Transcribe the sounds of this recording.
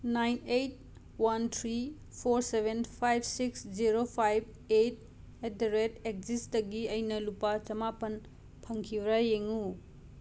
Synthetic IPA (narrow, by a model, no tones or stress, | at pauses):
najnejt̚ | wantʰɾi | pʰoɾsebʱenpʰajb̚ʱsiksd͡ʒiɾopʰajb̚ | et̚ | edɾetek̚d͡ʒisdɐɡiɐjnɐlupːat͡ʃɐmapɐn | pʰɐŋkʰibɾajeŋu